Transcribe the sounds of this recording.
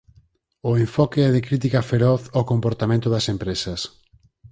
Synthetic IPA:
ʊeɱfɔkeɛðɪkɾit̪̬ikɐfeɾɔθɔkompoɾt̪amẽnt̪ʊðɐsempɾesɐs

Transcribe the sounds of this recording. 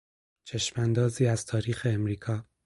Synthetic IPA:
t͡ʃʰeʃmænd̪ɒːziːæz̥t̪ʰɒːɾiːxeːmɾiːkʰɒː

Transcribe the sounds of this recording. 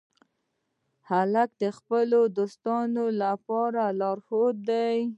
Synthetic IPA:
halak̚d̪əxpəlod̪ost̪ɑnolapɑɾalɑɾxot̪̚d̪aj

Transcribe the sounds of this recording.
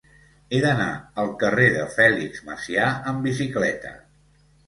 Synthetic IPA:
eðəna̰əlˠkəreðəfɛliɡzmə̰siaəmbis̬iklɛt̪ə̰

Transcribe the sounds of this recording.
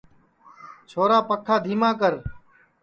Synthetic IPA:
t͡ʃʰoːɾaːpəkʰːaːd̪ʱiːmãːkəɾ

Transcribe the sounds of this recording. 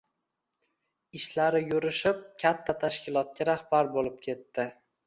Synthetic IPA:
ɪʃlaɾɪjʊɾɪʃɪp̚kʲʰat̪ʰːat̪ʰaʃkʲɪlˠɒt̪̚kʲaɾahbaɾbolɪp̚kʲʰe̞t̪ːɪ

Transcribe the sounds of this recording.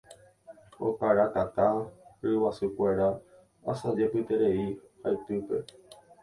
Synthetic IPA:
o̰kaɾat̪at̪aɾɨwasɨkʷe̞ɾa | asad͡ʒepɨt̪e̞ɾe̞ihaet̪ɨpe̞̰

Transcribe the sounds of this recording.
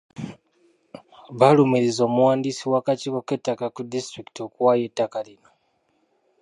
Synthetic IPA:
βalumiɾizo̞ːmuwaːndisiwaːkaciβoketːakakudistɾiki̥tiokuwaje̞tːakalino̞

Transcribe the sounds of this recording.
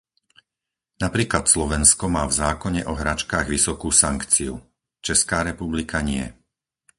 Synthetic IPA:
napɾiːklat̪slɔʋɛnskɔmaːvzaːkɔɲɛʔɔɦɾat͡ʃkaːɣʋisɔkuːsaŋkt͡siu | t͡ʃɛskaːɾɛpublikʰaɲɪɛ̰

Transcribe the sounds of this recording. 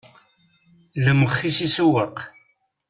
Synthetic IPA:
ləməχːisisəwəq

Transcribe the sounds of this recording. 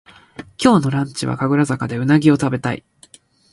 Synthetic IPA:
kʲo̞ːno̞ɾãɲt͡ɕiβa̰kaɡɯ̟ɾazakad̪e̞ɯ̟naɡʲio̞t̪abe̞t̪aḭ

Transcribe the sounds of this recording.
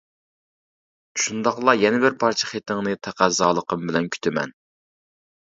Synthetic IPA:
ʃund̪ɑqlˠɑjɛnɪbɪɾpʰɑɾt͡ʃʰə̥χet̪ɪŋnɨt̪ʰæqæzɑːlˠəqəmbɪlɛnkʲʰy̥t̪ʰɪmɛ̰n

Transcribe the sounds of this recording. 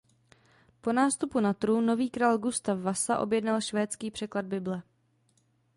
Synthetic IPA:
po̞naːst̪upunat̪ɾuno̞viːkɾaːlɡust̪afvasaʔo̞̰bjɛdnalʃvɛːt͡skiːpr̥ɛklad̚bɪblɛ

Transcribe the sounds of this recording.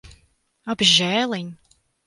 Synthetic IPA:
abʒɛːlˠiɲ

